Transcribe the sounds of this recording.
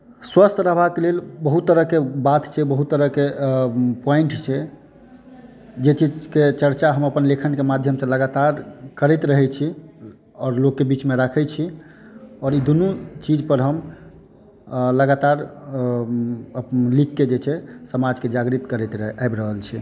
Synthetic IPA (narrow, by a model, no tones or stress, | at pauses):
swəst̪ʰɾəɦbakelelbəɦut̪ːəɾəkebat̪t͡ʃʰɛbəɦut̪ːəɾəke | pɔiɳʈt͡ʃʰɛ | d͡ʒet͡ʃid͡ʒket͡ʃəɾt͡ʃaɦəməpənlekʰənkemad̪ʱjəmsə̃ləɡat̪aɾkəɾɛt̪ɾəɦɛt͡ʃʰi | ɔːɾlokːebit͡ʃmeɾakʰɛt͡ʃʰi | ɔːɾid̪unut͡ʃid͡ʒpəɾɦəm | ləɡat̪aɾ | likːed͡ʒet͡ʃʰɛsəmad͡ʒked͡ʒaɡɾit̪kəɾɛt̪abɾəɦəlt͡ʃʰi